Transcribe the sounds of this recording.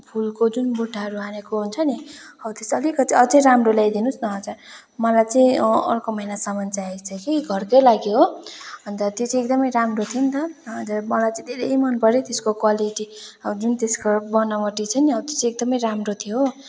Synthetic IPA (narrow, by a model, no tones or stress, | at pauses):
pʰulkod͡zunbuʈʰːaɦʌɾuɦanekoɦunt͡sʰʌniʌbt̪esʌlikʌt̪iʌd͡zʌjɾamroljajd̪inusnʌɦʌt͡sʰʌ | mʌlajt͡saĩʌ̰rkomʌinasamʌnt͡sajajst͡sʰʌkiɡʱʌrkʌjlaɡjoɦoʌnt̪ʌt̪jot͡siek̚d̪ʌmʌjɾamrot̪ʰiont̪ʌʌd͡zʌmʌlajt͡sãĩd̪ʱeɾemʌnpʌɾet̪eskokwaliʈid͡zunt̪eskabʌnʌmʌʈit͡sʰʌniʌbt̪ot͡siek̚d̪ʌmʌjɾamrot̪ʰijo